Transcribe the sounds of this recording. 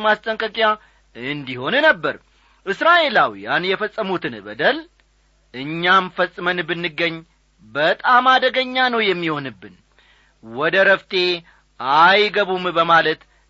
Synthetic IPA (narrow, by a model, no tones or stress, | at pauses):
mast̪ʼəŋkʼəkʼja | ɨnd̪iho̞nnəbːəɾ | ʔɨsɾaʔe̞lawijanjɛfəsʼːəmut̪ʰɨnbə̰d̪əl | ʔɨɲːamfəsʼːmənbɨnːɨɡːəɲː | bət̪ʼamad̪əɡəɲːanəwjɛmːiho̞nɨbːɨn | wɔd̪əɾəft̪ʰe̞ | ʔajɡəβumbəmalət̪